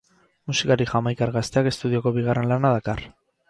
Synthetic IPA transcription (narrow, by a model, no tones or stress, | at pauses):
musikaɾixamajkaɾɣast̪e̞ake̞st̪uð̞io̞ko̞βiɣare̞nlanaðakar